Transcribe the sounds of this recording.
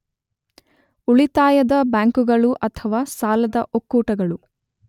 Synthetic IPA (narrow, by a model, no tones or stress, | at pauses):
uɭit̪aːjɐd̪ɐbaːŋkuɡɐɭuʔɐt̪ʰɐʋaːsaːlɐd̪ɐʔokːuːʈɐɡɐɭu